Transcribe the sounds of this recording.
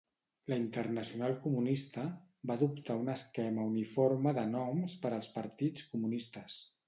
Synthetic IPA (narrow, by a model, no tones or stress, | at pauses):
ləint̪ərnəsiunalˠkumunist̪əbaðupt̪aunəskɛməuniforməðənɔmspəɾəlˠspəɾt̪it͡skumunist̪əs